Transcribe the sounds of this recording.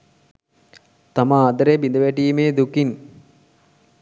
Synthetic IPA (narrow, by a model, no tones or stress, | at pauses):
t̪amaːd̪ɐɾebind̪əʋæʈiːmeːd̪ukin